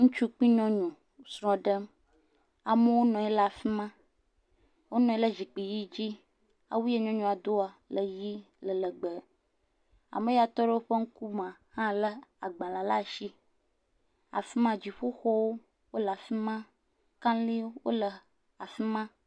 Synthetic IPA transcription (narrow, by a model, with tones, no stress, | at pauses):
ŋũ˦t͡ʃu˦k͡pi˦ɲɔ̃˦ɲũ˨ | sɾɔ̃˨ɖə˦m | a˨mə˦wo˦nɔ̃˨ɛ˦lə˨a˨fi˦mã˦ | wo˦nɔ̃˨e˦lə˦d͡ʒi˨k͡pi˨ji˦d͡ʑi˦ | a̰˨wu˦e˦ɲɔ̃˦ɲũ˨a˨d̪o˦a˨lə˨ji˦ | lə˨lə˨ɡ͡bə˨ | a̰˨mə˦ja˨t̪ɔ˦ɖe˦wo˦ɸə˦ŋ̩˦ku˦mã˨hã˦lə˦a˨ɡ͡bã˨la˨la˦˨ʃi˦ | a̰˨fi˦mã˦d͡ʑi˨ɸo˦xɔ˦wo˦ | wo˦lə˨a˨fi˦mã˦ | kã˦n˦li˦wo̰˦lə˨ | a˨fi˦mã˦